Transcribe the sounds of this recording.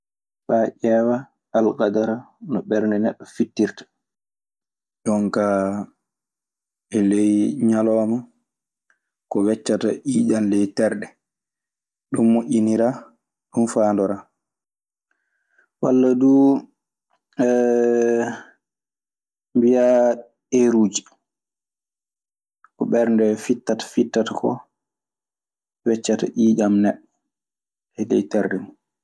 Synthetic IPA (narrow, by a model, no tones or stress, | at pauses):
faʔɛwa | alkadaɾanɔɓɛɾndɛnɛɓːɔfitːiɾtḁ | jɔŋka | ɛlɛjɲalɔːma | kɔwɛt͡ʃːata̰ʔiːd͡ʒanlɛjtɛɾɗɛ | ɗumːoʔʲiniɾa | ɗunfandɔɾa | walːadu | ɛ | mbija | eɾud͡ʒi | kɔɓɛɾndɛfitːatḁfitːatakɔ̰ | wɛt͡ʃːata̰ʔiːd͡ʒamnɛɗːɔ | ɛlɛ̰jtɛɾɗɛmu